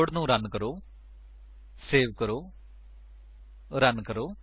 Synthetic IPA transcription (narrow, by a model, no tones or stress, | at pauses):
ʊɽnũːɾənkəɾoː | seːʋkəɾoː | ɾənkəɾoː